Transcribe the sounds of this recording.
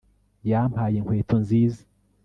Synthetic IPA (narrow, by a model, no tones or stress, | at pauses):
jamhaːjeŋweːtʰonziːze̥